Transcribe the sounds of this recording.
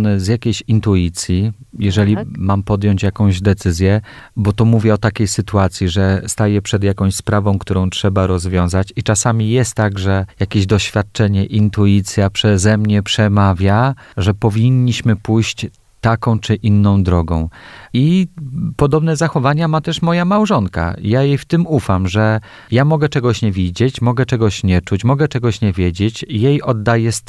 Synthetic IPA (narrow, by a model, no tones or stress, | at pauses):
nɛzjakʲejɕint̪uit̪sʲjijɛʐɛlʲimampɔd̪jɔɲt͡ɕjakɔ̃w̃ʑd̪ɛt̪sɘzʲjɛ | bɔt̪ɔmuvʲjɛɔt̪akʲejsɘt̪uat̪sʲjiʐɛst̪ajɛpʂɛd̪jakɔ̃w̃ɕspɾavɔ̃w̃kt̪uɾɔ̃w̃tʂɛbaɾɔzvʲjɔ̃w̃zat͡ɕit͡ʂasamʲijɛst̪ːaɡʐɛjakʲeʑd̪ɔɕfʲjat̪̚t͡ʂɛɲɛʔint̪uit̪sʲjapʂɛzɛmɲɛpʂɛmavʲjaʐɛpɔvʲiɲːiɕmɘpujɕt͡ɕ | t̪akɔ̃w̃t͡ʂɘʔinːɔ̃w̃d̪ɾɔɡɔ̃w̃ipɔd̪ɔbnɛzaxɔvaɲamat̪ɛʂmɔjamawʐɔnka̰jajejft̪ɘmufamʐɛ | jamɔɡɛt͡ʂɛɡɔɕɲɛvʲid͡ʑet͡ɕmɔɡɛt͡ʂɛɡɔɕɲɛt͡ʂut͡ɕmɔɡɛt͡ʂɛɡɔɕɲɛvʲjed͡ʑet͡ɕjejɔd̪ːajɛst̪